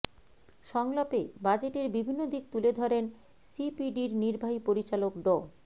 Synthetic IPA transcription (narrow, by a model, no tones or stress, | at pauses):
ʃɔŋlopebad͡ʑeʈeɾbibʱinːod̪ik̚t̪uled̪ʱɔɾen | sipiɖiɾniɾbʱaɦipoɾit͡ɕalokɖɔ